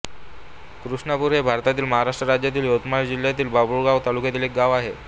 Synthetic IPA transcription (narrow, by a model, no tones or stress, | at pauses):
kɾuʂɳapuɾɦebʱaɾt̪at̪iːlməɦaɾaʂʈɾəɾad͡ʑjat̪iːljot̪mad͡ʑiljat̪̬iːlbabuɭɡawt̪alukjat̪iːlek̚ɡaʋaɦe